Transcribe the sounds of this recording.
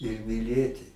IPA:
ɪr mʲɪˈlʲeːtʲɪ

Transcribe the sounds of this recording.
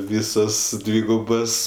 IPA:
ˈʋʲiːsoːs ˈdʲʋʲiːɡʊboːs

